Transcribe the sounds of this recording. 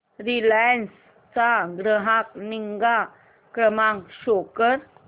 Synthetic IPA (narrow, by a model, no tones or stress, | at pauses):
ɾilajəns | t͡saɡɾəɦãkniŋɡa | kɾəmãŋkɕokəɾ